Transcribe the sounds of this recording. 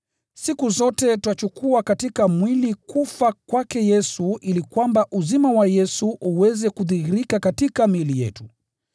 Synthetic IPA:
sikuzɔtɛtuat͡ʃukuakatikamwilikufakwakɛjɛsuʔilikwambaʔuzimawajɛsuʔuwɛzɛkuðihiɾikakatikamilijɛ̰tu

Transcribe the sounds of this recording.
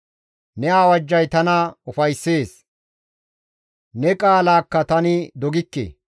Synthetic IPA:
nɛaːwɐd͡ʒːɐjt̪ɐnɐʊfɐjsːe̞ːs | nɛkʼaːlaːkːɐt̪ɐnɪd̪ɔɡɪkːḛ

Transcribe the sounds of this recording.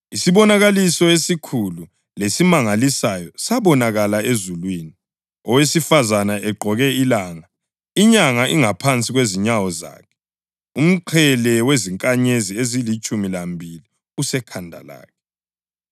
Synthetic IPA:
isiβɔnaɣalisɔesikʰulu | lesimaŋalisajɔsaβɔnaɣalaezulwini | ɔwesifazanaʔɛɡ͡ǃʱɔɣɛilaːŋa | iɲaŋaʔiŋapʰant͡sʼiɣweziɲawɔza̰ːkʰɛ̥ | um̩ǃʰɛlɛweziŋkʼaɲeziezilit͡ʃʼumilambʱili | usɛkʰandʱa̰la̰ːkʰɛ

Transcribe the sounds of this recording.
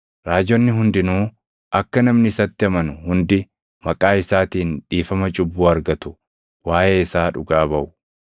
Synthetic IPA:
ɾaːd͡ʒɔnːɪɦʊnd̪ɪnuː | ʔɐkːɐnɐmnɪɪsɐt̪ːɪɐmɐnʊhʊnd̪ɪ | mɐkʼaːɪsaːt̪iːnᶑiːfɐmɐt͡ʃʼʊbːuːɐɾɡɐt̪ʊ̥ | waːʔeːɪsaːᶑʊɡaːbɐʔʊ

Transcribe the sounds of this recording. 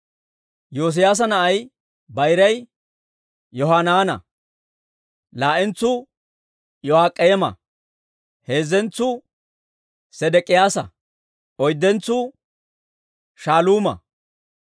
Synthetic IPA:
joːs̬ɪjaːs̬ɐnɐʔɐj | bɐjɾɐj | jɔɦaːnaːnɐ̰ | laːʔɪnt͡sːʊ | jɔhaːkʼːɛjɛmɐ̰ | he̞ːzɛnt͡sːʊ | sɛd̪ɛkʼːɪjaːsɐ̰ | ɔjd̪ːɛnt͡sːʊ | ʃaːluːmɐ̰

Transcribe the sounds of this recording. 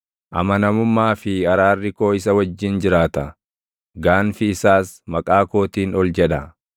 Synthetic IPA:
ʔɐ̰mɐnɐmʊmːaːfɪɐɾaːrːɪko̞ːɪsɐwɐd͡ʒːɪnd͡ʒɪɾaːt̪ɐ | ɡaːnfɪːsaːsmɐkʼaːko̞ːt̪iːnɔld͡ʒɛᶑɐ

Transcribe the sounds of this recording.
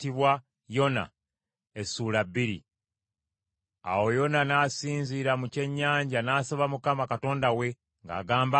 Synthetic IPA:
tiβwa | jo̞na̰ | esuːlabːiɾḭ | a̰wo̞jo̞nanaːsiːnziɾamuce̞ɲːaːɲɟanaːsoβamukamakato̞ːndawe̞ | ŋɡa̰ːɡaːmba

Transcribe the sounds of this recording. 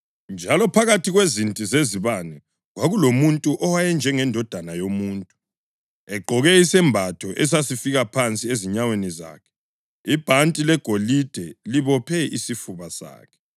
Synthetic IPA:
nd͡ʒʱalɔpʰaɣatʰiɣwezintʼizeziβanɛ | ɣwaɣulomuntʼuʔɔwajɛnd͡ʒʱɛŋɛndʱɔd̥ʱanajomuːntʼu | ɛɡ͡ǃʱɔɣɛisɛmbʱatʰɔʔɛs̬asifiɣapʰant͡sʼieziɲaweniza̰ːkʰɛ̥ | ib̥ʱantʼilɛɡ̥ʱolid̥ʱɛliβɔpʰɛisifuβasa̰ːkʰɛ̥

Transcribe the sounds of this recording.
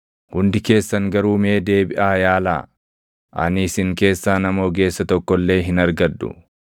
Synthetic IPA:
hʊnd̪ɪke̞ːsːɐŋɡɐɾuːmeːd̪e̞ːbɪʔaːjaːla̰ː | ʔɐ̰nɪsɪŋke̞ːsːaːnɐmo̞ːɡe̞ːsːɐt̪ɔkːɔlːe̞ːɦɪnɐɾɡɐd̪ːʊ̰

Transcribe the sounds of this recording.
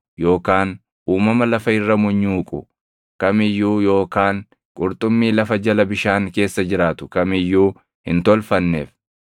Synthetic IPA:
jo̞ːkaːn | uːmɐmɐlɐfɐɪrːɐmʊɲːuːkʼʊ | kɐmɪjːuːjo̞ːkaːŋ | kʼʊɾt̪ʼʊmːiːlɐfɐd͡ʒɐlɐbɪʃaːŋke̞ːsːɐd͡ʒɪɾaːt̪ʊ̥kɐmɪjːuː | hɪ̰nt̪ɔlfɐnːḛːf

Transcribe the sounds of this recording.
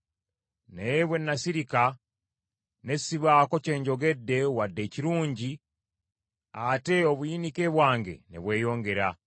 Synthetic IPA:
nejeβwe̞nːasiɾika | ne̞siβaːko̞ce̞ːɲɟo̞ɡe̞dːe̞wadːe̞ciɾuːɲɟi | ate̞oβujinike̞βwaːŋɡe̞̰nḛβwe̞ːjo̞ːŋɡe̞ɾa

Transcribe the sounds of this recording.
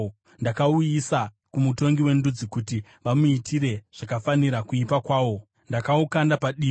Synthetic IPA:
ndakaujisa | kumuto̞ŋɡiwe̞ndud͡zikuti | ʋamuitʰiɾe̞ʐ̥akafaniɾakuipakwaːʋo̞ | ndakaukandapaɗiː

